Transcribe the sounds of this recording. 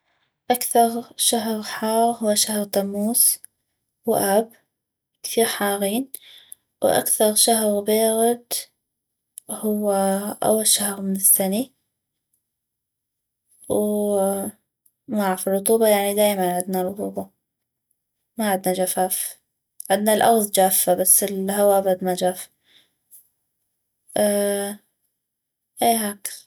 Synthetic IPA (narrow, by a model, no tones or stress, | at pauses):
ʔakθɑɾˤʃaɦɣħɑːɣhʊwːaʃahɾt̪amːuːs | wʔab | kɪ̥θiːɾħɑːɣiːn | wʔa̰kθɑɾˤʃaɦɾbeːɣɪd̪ | hʊwːaʔa̰wːalʃahɾmɪnɪsːani | w | maʕfirˤːʊt̪ˤuːbɑjaʕnid̪aːjmanʕɪd̪narˤʊt̪ˤuːbɑ | maʕɪd̪nad͡ʒafaːf | ʕɪd̪nalʔɑɣðˤd͡ʒaːfːabasːɪlhawabad̪mad͡ʒaːf | ʔeːɦaːk